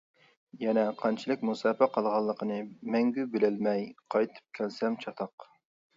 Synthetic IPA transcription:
jɛnɛqʰɑnt͡ʃʰilˠɨk̚ʲmusɑːpæqʰɑlˠʁɑlˠːəqʰənɨmɛŋɡʲybɪlɪlmɛjqʰɑjt̪ʰɨ̥p̚kʲʰɛlsɛmt͡ʃʰɑt̪ʰɑq

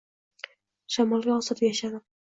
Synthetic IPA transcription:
ʃamɒlˠɡʲaɒsɨt̪jaʃad̪ɪ

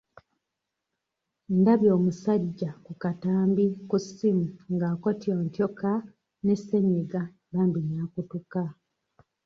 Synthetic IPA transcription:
ndaβjo̞ːmusaɟakukataːmbikusimuŋɡaːkotioːntjoka | ne̞seɲeɡa | βaːmbinakutuka

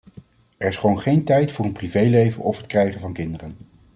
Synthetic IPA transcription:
ɛɹɪsχəʋownχejntɛjtfʊːɹənprivejlejvə̰nɔfɦət̚krɛjχənvɑnkɪndərən

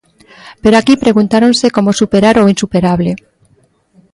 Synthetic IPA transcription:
peɾoakipɾe̞ɣ̞unt̪aɾonseko̞mosupeɾaɾoinsupeɾaβle

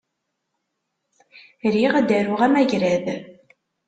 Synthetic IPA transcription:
ɾiʁæd̪æɾʊʁæmæʝɾæð

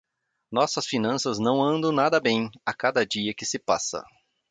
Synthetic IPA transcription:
nɔsɐsfinɐ̃sɐznɐ̃w̃ɐ̃nd̪ɐ̃w̃nad̪ɐbẽj̃akad̪ɐd͡ʒiɐkɪsɪpasɐ̰

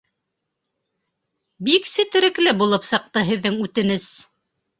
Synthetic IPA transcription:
biksɘt̪ɘ̆ɾɘ̆klɘbulˠɤpsɤ̆q̚t̪ɤɦɘ̆ðːɘŋʉt̪ɘ̆nɘs

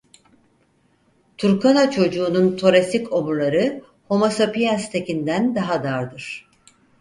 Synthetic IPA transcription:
t̪ʰuɾkʰanat͡ʃʰo̞d͡ʒuːnunt̪ʰo̞ɾesiko̞muɾlˠaɾɯ | ho̞masapijanst̪ʰe̞cind̪ænd̪aɦad̪aɾd̪ɯɾ̥

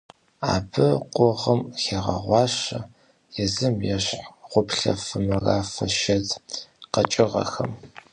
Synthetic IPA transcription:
a̰ːbɨqʷʼɔʁəmxeːʁɐ̰ʁʷɑːɕɐ | jɛzɨmjɛɕħʁʷʊpɬɐ̰fɨmɨraːfɐʃɐtqɐt͡ʃʼɪʁɐ̰xɐm

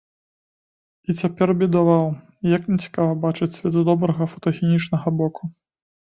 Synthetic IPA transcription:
it͡sʲapʲɛrbʲid̪avaw | jɐknʲɛt͡sʲi̥kavɐbat͡ʂɨt͡sʲsʲvʲɛt̪d̪ɔbɾɐɣɐfɐt̪ɐxʲɛnʲit͡ʂnɐɣɐbɔku

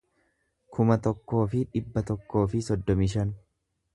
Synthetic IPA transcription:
kʰʊmɐt̪ɔkːo̞ːfɪᶑɪbːɐt̪ɔkːo̞ːfɪsɔd̪ːɔmɪʃ̬ɐn

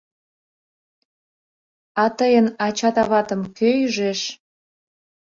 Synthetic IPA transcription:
ɑt̪əjənɑt͡ɕɑt̪ɑβɑt̪əmkøjyʒeʃ

